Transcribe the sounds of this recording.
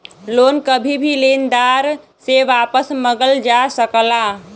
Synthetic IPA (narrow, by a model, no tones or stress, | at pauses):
loːnkəbʱibʱilend̪aɾ | seʋaːpəsməɡəld͡ʒasəkla